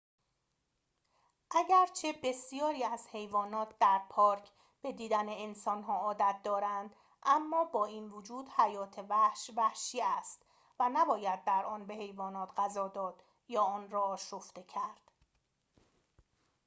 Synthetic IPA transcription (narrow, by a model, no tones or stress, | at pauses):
ʔæɟæɾt͡ʃʰe̞be̞sijɒːɾiːæz̥he̞jvɒːnɒːt̪̚ʰd̪æɾpʰɒːɾcʰ | b̥e̞d̪iːd̪æneensɒːnɦɒːɒːd̪æt̪̚ʰd̪ɒːɾænd̪ | ʔæmːɒːbɒːiːnvod͡ʒuːd̪̥hæjɒːt̪ʰevæhʃvæhʃiːæst̪ | vænæbɒːjæd̪̚ːæɾʔɒːnbe̞he̞jvɒːnɒːt̪ʰɢæzɒːd̪ɒːd̪̥ | jɒːɒːnrɒːɒːʃoft̪e̞cʰæɾd̪̥